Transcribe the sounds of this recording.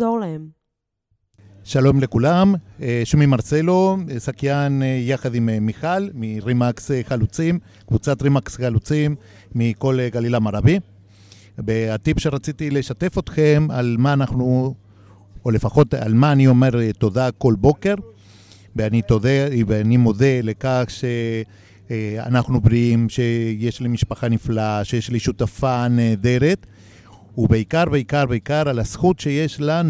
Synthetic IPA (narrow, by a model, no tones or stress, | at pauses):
zolaem | ʃalomlekulameʃumimaɾselosakjanjaχad̪immiχalmiɾimaksχalut͡sim | kvut͡sat̪ɾimaksχalut͡simː | ikolɡalilamaɾabi | beat̪ipʃeɾat͡sit̪ileʃat̪efot̪χemalmaːnaχnu | ole̞faχo̞t̪a̰lmaːnio̞me̞ʁt̪o̞d̪ako̞lbo̞ke̞ɾ | beanit̪odeveanimo̞d̪e̞lekaχʃe | a̰naχnubɾiimʃe̞je̞ʃlimiʃpaχaniflaʃe̞jeʃliʃut̪afaned̪e̞ɾe̞t̪ | ubeikaɾbe̞ikaɾbeikaɾalasχut̪ʃe̞je̞ʃlan